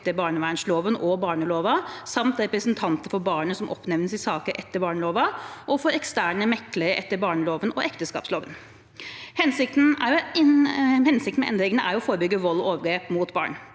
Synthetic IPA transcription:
t̪ːəɾbɑːɳəʋæːɳsloːʋənʔɔbɑːɳəloːʋɑsɑmt̪ɾɛpɾəsənt̪ʰɑnt̪əɾfɔbɑːɳəsɔmʔɔpnɛʋnəsɪsɑːkəɾʔɛt̪ːəɾbɑːɳloːʋɑʔɔfɔɾɛkst̪æːɳəmɛkːləɾəʔɛt̪ːəɾbɑːɳəloːʋənɔʔɛkt̪əskɑ̰ːpsloːʋən | hɛnsɪk̚t̪n̩æ̰ɾjʊ | hɛnsɪkt̪mɛɛ̰nd̪ɾɪŋənəʔæɾʊɔfoːɾəbʏɡːəʋɔlːɔoːʋəɡɾeːpmut̪bɑ̰ːɳ

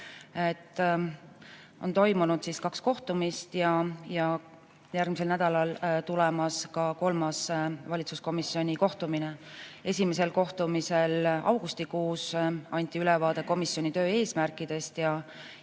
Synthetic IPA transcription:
et̪ːˑ | o̞̰nt̪o̞jmunud̪̥siskɑksko̞ht̪umist̪jɑjɑ | jærɡ̚mise̞lnæd̪̥ɑlɑlt̪ulɛmɑskɑko̞lmɑsvɑlʲit̪susko̞misjo̞nʲiko̞ht̪uminee̞sʲime̞se̞lko̞ht̪umise̞lɑ̰wɡ̥ust̪ikuːsɑnʲt̪ˑiylɛvɑːd̪̥e̞ko̞misjo̞nʲit̪ø̞ːe̞ːsmærkːˑid̪̥e̞st̪jɑ

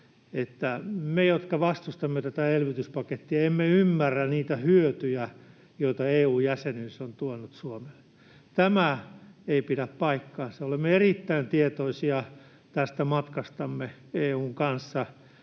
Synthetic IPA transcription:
et̪ːæmejot̪kɑʋɑst̪ust̪ɑmːet̪æt̪æelʋit̪yspɑket̪ːiɑemːeymːærːæniːt̪æhyøt̪yjæ | joit̪ɑeːuːjjæsenyːsont̪uonut̪suomelːe | t̪æmæeipiɾæppɑikːɑːnseolemːeerit̪ːæint̪iet̪oisiɑ | t̪æst̪æmɑt̪kɑst̪ɑmːe | eːuːŋkɑnsːɑ

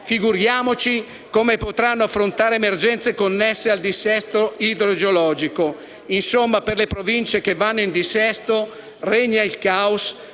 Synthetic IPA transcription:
fiɡuɾjaːmot͡ʃi | komepot̪ɾanːoafːɾont̪aːɾemerd͡ʒɛnt̪sekonːɛsːeald̪isɛst̪oid̪ɾod͡ʒeolɔːd͡ʒiko | insomːaperlepɾovint͡ʃekevːanːoind̪isɛst̪o | rɛɲːailkaus

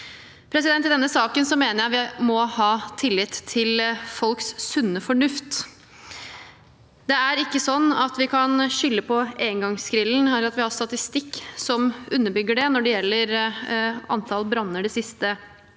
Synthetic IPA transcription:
pʰɾɛsɪd̪ɛnt̪ːɪd̪ɛnːəsɑːkənsɔmeːnəɾjæɪʋɪmɔhɑːt̪ʰɪlːɪt̪ʰːɪlfɔlkssʉnːəfɔɳʉft̪ | d̪ɛæɾɪkːəsɔnːɑt̪ʋɪkʰɑnʃʏlːəpʰɔeːnɡɑŋskɾɪln̩ɛlːəɾɑt̪ʋɪhɑɾst̪ɑt̪ɪst̪ɪkːsɔmʔʉnːəbʏɡːəɖɛnɔɖɛjɛlːəɾ | ɑ̰nt̪ʰɑlbɾɑnːəɖɛsɪst̪ə

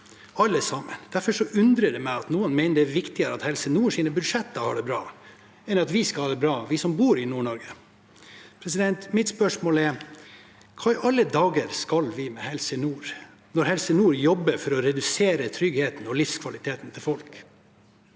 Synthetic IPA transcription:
ɑlːəsɑmənd̪̥æɾfɔʂɔʔʉnd̪ɾəɖɛmæɪɑt̪nuːənmæɪnəɖɛʋɪkt̪ɪəɾəɑt̪hɛlsənuːʂiːnəbʉd̪ʂɛt̪ːəhɑ̰ːɖɛbɾɑː | ɛnːəɾɑt̪ʋɪskɑlhɑːɖ̪ɛbɾɑːʋɪsɔmbuːɾɪnuːɳɔɾɡə | pʰɾɛs̬ɪd̪ɛnt̪mɪt̪spœʂmoːlɛɾ | kʰɑːɪʔɑlːəd̪ɑːɡəəɾskɑlʋɪmɛhɛlsənuːɾ | nɔɾhɛlsənuːɾjɔbːəɾfɔɾɔɾɛd̪ʉseːɾət̪ʰɾʏɡheːt̪n̩ɔlɪfskʰʋɑlɪt̪ʰeːt̪n̩t̪ʰɪlfɔlk

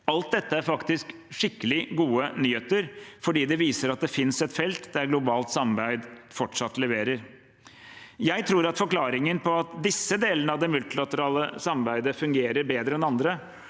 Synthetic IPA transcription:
ɑlt̪̚d̪ɛt̪ːəæɾfɑkt̪ɪsk | ʂɪkːəlɪɡuːənyːheːt̪əɾfɔɖiːd̪ɛʋiːsəɾɑt̪̚d̪ɛfɪnsɛt̪fɛlt̪d̪æɾɡlʊbɑːlt̪sɑmɑɾbæɪd̪fɔʈʂɑt̪ːlɛʋeːɾəɾ | jæɪt̪ʰɾuːɾɑt̪fɔɾklɑːɾɪŋənpʰɔɑt̪d̪ɪsːəd̪eːlənəɑʋd̪ɛmʉlt̪ɪlɑt̪əɾɑːləsɑmɑɾbæɪd̪əfʉŋɡeːɾəɾbeːd̪ɾəɛnɑnd̪ɾə

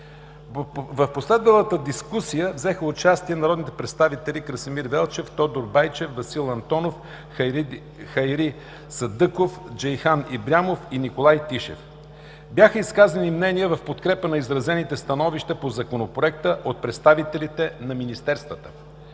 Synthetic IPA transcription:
vəfposlɛd̪vəlˠət̪əd̪iskusijəvzɛxəʊt͡ʃast̪iɛnɐɾɔd̪nit̪ɛ̥pɾɛt̪st̪avit̪ɛlʲikɾəsimiɾvɛlˠt͡ʃɛft̪ɔd̪oɾbajt͡ʃɛfvɐsilˠɐnt̪ɔnof | xɐjɾi | sɐd̪ɤkofd͡ʒɛjxanibɾʲamofinikolˠajt̪iʃɛ̰f | bjaxəiskazənimnɛnijəvɐfpot̪kɾɛpənɐizɾɐzɛnit̪ɛst̪ɐnɔviʃt̪əpozɐkonopɾoɛk̚t̪əʔot̪̚pɾɛt̪st̪avit̪ɛlit̪ɛnɐminist̪ɛɾst̪vət̪ə̥

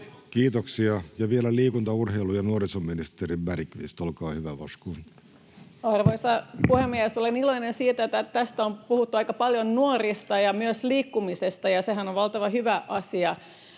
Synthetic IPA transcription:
kiːt̪oksiɑjɑʋielæliːkunt̪ɑurheilujɑnuorisomːinist̪eɾimbæɾikʋḭːst̪olkɑːhyʋæʋɑskuːn | ɑrʋoisɑpuhemːiɛsoleniloinensiːt̪æet̪ːæt̪æst̪æompuhut̪ːuɑikɑpɑljonnuorist̪ɑjɑmyøsliːkːumisest̪ɑjɑseɦænoʋʋɑlt̪ɑʋɑhyʋæʔɑsiɑ

